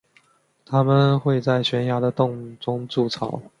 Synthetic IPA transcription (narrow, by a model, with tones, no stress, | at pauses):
t̪ʰa˥mə˨nxwe˥˧ɪt͡sa˥˩ɪɕɥɛ˧˥nja˧˥d̪ə˨t̪ʊ˥˧ŋʈ͡ʂʊ˥ŋt͡su˥˨t͡sʰɑ̰˨˦ʊ